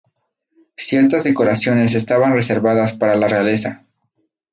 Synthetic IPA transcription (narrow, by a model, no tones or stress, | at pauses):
sje̞ɾt̪azðe̞ko̞ɾasjo̞ne̞s̬e̞st̪aβanre̞se̞ɾβaðaspaɾalareale̞sa